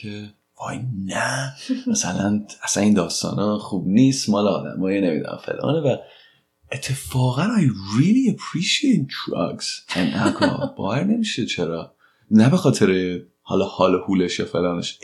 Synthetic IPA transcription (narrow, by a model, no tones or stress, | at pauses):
kʰe | vɒ̰jnææsælænæsæniːnd̪ɒːst̪ɒ̰ːnɒːxuːbniːst̪mɒːleɒːd̪æ̰mɒːjenemḭd̪ṵnæ̰mfe̞̰lʔɒ̰ːnevæ | et̪ʰːe̞fɒːɣænɒjɹiliæpʰɾiʃiejt̪̚d̪ɾɒ̰ɡsenʔækʰɒ̰b̥ɒ̰ːvæɾne̞miʃet͡ʃʰeɾɒː | næbe̞xɒːt̪ʰe̞ɾe | hɒ̰lɒhɒːlɔhuːleʃjɒːfe̞lɒːneʃ